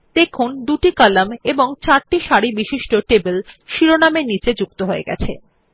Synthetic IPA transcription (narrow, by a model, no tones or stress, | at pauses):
d̪ekʰund̪uʈikalameboŋt͡ɕaɾʈiʃaɽibiʃiʃʈoʈebelʃiɾonameɾnit͡ɕed͡ʑuk̚t̪oɦoḛɡɛ̰t͡ɕʰḛ